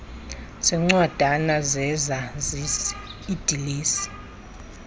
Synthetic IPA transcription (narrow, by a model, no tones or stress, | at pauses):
sɛŋ͡ǀwad̥ʱanazɛzazisid̥ʱiliːsi̥